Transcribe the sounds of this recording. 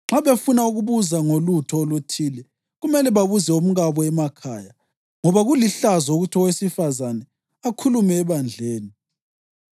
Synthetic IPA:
ŋ͡ǁaβefunauɣuβuzaŋolutʰɔolutʰiːlɛ | ɣumɛlɛβaβuzɛum̩ɣaβɔɛmakʰaːja | ŋɔβaɣuliɬazɔoɣutʰɔwesifazanɛ | akʰulumɛːβand͡ɮʱeːni

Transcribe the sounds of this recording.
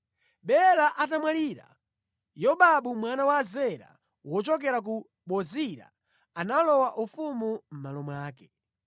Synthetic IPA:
ɓɛlaʔatamwaliːɾa̰ | jɔɓaɓumwanawaːzɛɾa̰ | wɔt͡ʃɔk̬ɛɾak̬u | ɓɔziɾa̰ | analɔwaʔufumum̩malɔmwaːkɛ

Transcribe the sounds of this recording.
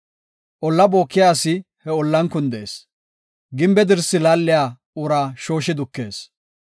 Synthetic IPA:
ʔɔlːɐbo̞ːkːɪjaːsɪ | hɛɔlːɐnkʊnd̪eːs | ɡɪmbɛd̪ɪɾsːɪlaːlːɪjaː | ʊɾaːʃo̞ːʃɪd̪ʊkːe̞̰ːs

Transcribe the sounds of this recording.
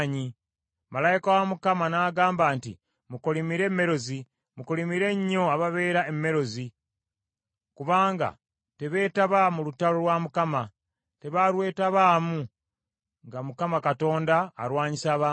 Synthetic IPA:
ɲi | malajikawamukamanaːɡaːmbaːntḭ | mukolimiɾe̞mːe̞ɾo̞zi | mukolimiɾe̞ɲːo̞aβaβe̞ːɾaemːe̞ɾo̞zi | kuβaːŋɡa̰ | te̞βe̞ːtaβamulutːaloɾwamukama | te̞βaɾwe̞ːtaβamu | ŋɡamukamakato̞ːnda̰ːɾwaːɲisaːβaː

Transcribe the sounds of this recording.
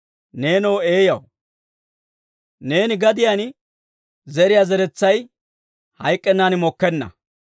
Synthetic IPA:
neːnowe̞ːjɐw | ne̞ːnɪɡɐd̪ɪjan | zɛɾɪjazɛɾɛt͡sːɐj | hɐjkʼːɛnːaːnɪmɔkːɛnːɐ̰

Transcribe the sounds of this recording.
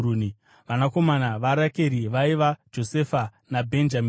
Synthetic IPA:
uːni | ʋanako̞manaʋaɾakeɾiʋaiʋad͡ʒo̞se̞fanabʱe̞nd͡ʒami

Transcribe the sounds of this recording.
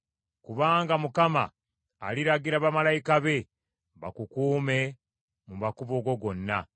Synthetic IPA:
kuβaːŋɡamukama̰ː | liɾaɡiɾaβamalajikaβe̞ | βa̰kukuːme̞ | mumakuβo̞ːɡo̞ɡo̞nːa

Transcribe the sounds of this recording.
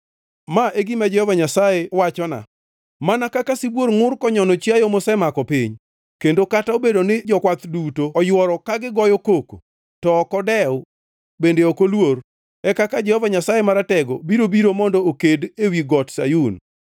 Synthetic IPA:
maʔeɡimad͡ʒɛhɔvaɲasajewat͡ʃɔna̰ | manakakasibwoɾŋʊrkɔɲɔnɔt͡ʃjajɔmɔsɛmakɔpiɲ | kendokataobedonɪd͡ʒɔkwat̪dutoːjwɔɾɔkaɡɪɡɔjɔkoko̥̰ | tɔːkɔdɛw | bendeɔkolwoɾ | ɛkakad͡ʒɛhɔvaɲasajemaɾatɛɡo̰biɾobiɾomɔndɔokedewiɡɔtsa̰jun

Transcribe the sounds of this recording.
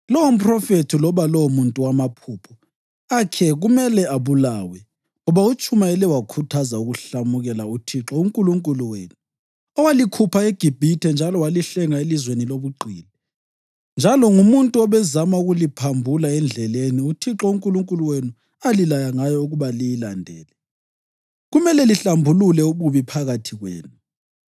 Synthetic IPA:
lɔwom̩pʰʼrɔfetʰilɔβalɔwomuntʼuwamapʰuːpʰɔ | akʰɛɣumɛlɛaβulaːwɛ | ŋɔβaut͡ʃʼumaɛlɛwakʰutʰazauɣuɬamuɣɛlautʰiǁɔuŋkʼuluŋkʼuluwḛːnu | ɔwalikʰupʰaeɡ̥ʱib̥ʱitʰɛnd͡ʒʱalɔwaliɬɛŋaelizweniloβuɡ͡ǃʱiːlɛ | nd͡ʒʱalɔŋumuntʼuɔβɛzamauɣulipʰambʱulaɛnd͡ɮʱɛleniutʰiǁɔuŋkʼuluŋkʼuluwenu | alilajaŋajɔuɣuβalijilandʱɛːlɛ | ɣumɛlɛliɬambʱululɛuβuβipʰaɣatʰiɣwḛːnu

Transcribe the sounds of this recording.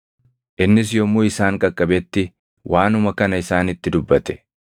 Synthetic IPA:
ʔɪnːɪsjɔmːuːɪsaːŋkʼɐkʼːɐbɛt̪ːɪ | wʔaːnʊmɐkɐnɐɪsaːnɪt̪ːɪd̪ʊbːɐt̪ɛ̥

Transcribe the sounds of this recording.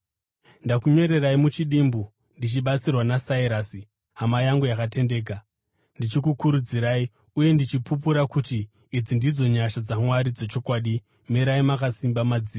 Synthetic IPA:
ndakuɲo̞ɾe̞raimut͡ʃiɗiːmbu | ndit͡ʃiɓat͡sirwanasaiɾasi | ɦamajaŋɡujakate̞nde̞ːk̬a | ndit͡ʃikukuɾud͡ziɾai | uje̞ndit͡ʃipupuɾakutiː | d͡zindid͡zo̞ɲaʃad͡zamwaɾid͡ze̞t͡ʃo̞kwaːɗi | meɾaimakasimbamad͡ziːa

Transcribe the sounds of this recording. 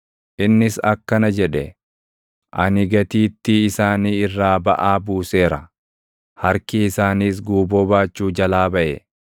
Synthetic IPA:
ʔɪnːɪsɐkːɐnɐd͡ʒɛᶑɛ | ʔɐnɪɡɐt̪iːt̪ːɪːsaːniːɪrːaːbɐʔaːbuːse̞ːɾɐ | hɐɾkɪɪsaːniːs̬ɡuːboːbaːt͡ʃːuːd͡ʒɐlaːbɐʔɛ

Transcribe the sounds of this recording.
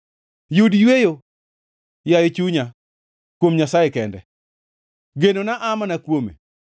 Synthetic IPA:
judjwejo | jajet͡ʃuɲa | kwomɲasajekɛndɛ | ɡenonaʔamanakwomḛ

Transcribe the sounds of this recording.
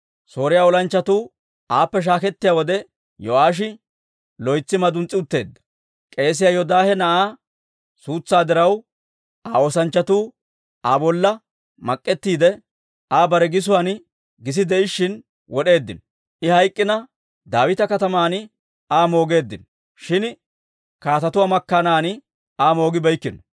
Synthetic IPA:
so̞ːɾɪjaːɔlɐnt͡ʃːɐt̪uː | aːpːɛʃ̬aːkɛt̪ːɪjaːwɔd̪ɛ | jɔʔaːʃ̬ɪ | lɔjt͡sːɪmɐd̪ʊnt͡sʼːɪʊt̪ːe̞ːd̪ːɐ̥ | kʼe̞ːs̬ɪjajɔd̪aːhɛnɐʔaː | suːt͡sːaːd̪ɪɾɐw | ʔaːoːsɐnt͡ʃːɐt̪uː | aːbɔlːɐ | mɐkʼːɛt̪ːiːd̪ɛ | aːbɐɾɛɡɪs̬ʊwan | ɡɪs̬ɪd̪ɛʔɪʃːɪn | wɔɗe̞ːd̪ːɪnɔ | ʔɪhɐjkʼːɪnɐ | d̪aːwɪt̪ɐkɐt̪ɐmaːnɪ | aːmo̞ːɡe̞ːd̪ːɪnɔ | ʃɪn | kaːt̪ɐt̪ʊwamɐkːanaːnɪ | aːmo̞ːɡɪbɐjkːɪnɔ

